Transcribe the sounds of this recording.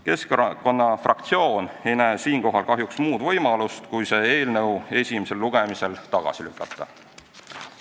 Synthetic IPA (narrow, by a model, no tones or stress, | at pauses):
ke̞skko̞nːɑfrɑk̚t̪sio̞ːne̞jnæːsiːŋko̞ɦɑlkɑɦjuksmuːd̪̥vɤjmɑlust̪kujse̞ːe̞ːlnɤwe̞sʲimese̞lːuɡ̥e̞mise̞lt̪ɑɡ̥ɑ̰silykːˑɑt̪ːˑɑ̰